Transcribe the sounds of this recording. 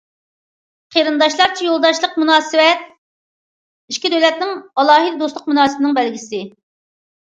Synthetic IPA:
qʰəɾɨnd̪ɑʃlˠɑɾt͡ʃʰijolˠd̪ɑʃlˠəqmunɑːsɨwɛt̪̚ | iʃkʲid̪øwlɛt̪nɪŋɑlˠɑːɦɨd̪ɨd̪oslˠəq̚munɑːsɨbɪnɪŋbɛlɡʲisɪ

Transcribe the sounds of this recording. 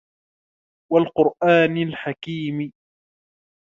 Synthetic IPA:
walqʊɾʔaːnɪlħakiːm

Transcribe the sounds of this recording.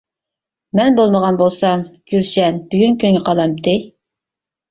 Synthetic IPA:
mɛnbolˠməʁɑnbolˠsɑmɡ̥ʲylʃɛnb̥yɡʲynkʲʰyŋɡɛqʰɑlˠɑmt̪ʰɨ

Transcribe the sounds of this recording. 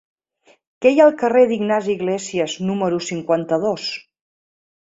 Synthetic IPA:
kɛjaːlˠkəreðiɡnaziɣlɛsiəznuməɾusiŋkwant̪əðos

